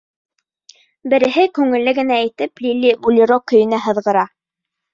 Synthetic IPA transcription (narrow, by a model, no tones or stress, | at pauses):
bɘ̆ɾɘ̆ɦɘkʉŋɘ̆lːɘɡɘ̆næːjt̪ɘplʲilʲːibulʲiɾokɵ̆jɘ̆næɦɤ̆ðʁɤ̆ɾɑ